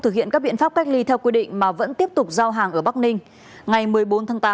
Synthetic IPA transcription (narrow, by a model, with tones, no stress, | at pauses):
t̪ɨ˨˩ḭ˧˨nkaː˦˥k̚ɓḭ˧˨nfaː˦˥p̚ka˦˥jk̟̚li˧t̪ʰɛ˧wkwi˧ɗḭ̈˧˨ŋ̟maː˨˩və̰˧˥nt̪i˦˥əp̚t̪ʊ˨˩k͡p̚zaː˧wɦaː˨˩ŋʔəː˧˩ɓa˦˥k̚nï˧ŋ̟ | ŋa˨˩jmɨ˨˩əjɓo˨˦nt̪ʰaː˨˦ŋt̪aː˨˦